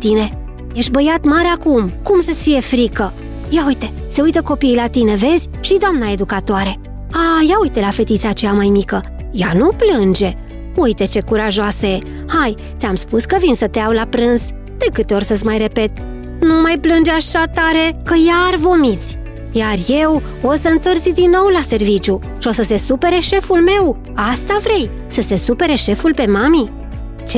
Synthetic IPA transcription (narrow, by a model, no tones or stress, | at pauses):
t̪ine̞ | je̞ʃbəjat̪maɾeakumkumsət̪sʲfije̞fɾikə | jaujt̪e̞se̞ujt̪əko̞piːlat̪ine̞ve̞zʲʃid̪oamnae̞d̪ukat̪oaɾe̞ | ajaujt̪e̞lafe̞t̪it̪sat͡ʃeamajmikə | januplɨnd͡ʒe̞ | ujt̪e̞t͡ʃe̞kuɾaʒoase | haj | t̪sʲamspuskəvinsət̪eawlapɾɨnz̥ | d̪̥e̞kɨt̪e̞o̞rʲsəsʲmajɾe̞pe̞t̪ | numajplɨnd͡ʒeaʃat̪aɾe̞kəjaːrvo̞mit̪sʲ | jarje̞w | o̞səɨnt̪ɨrzid̪inːo̞wlase̞rvit͡ʃʲju | ʃio̞səse̞supe̞ɾe̞ʃe̞fulme̞w | ast̪avɾe̞j | səse̞supe̞ɾe̞ʃe̞fulpe̞mami | t͡ʃ